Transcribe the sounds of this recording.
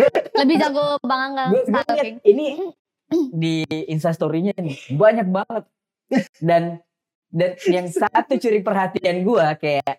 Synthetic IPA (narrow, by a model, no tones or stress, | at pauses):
ləbɪd͡ʒaŋɡobaŋaŋɡaɡuaɡaɲaini | diːnsas̬t̪oɾiɲainibaɲak̚baŋət̪̚ | dan | danjaŋsat̪ːut͡ʃuɾipərɦat̪ianɡuakajaʔ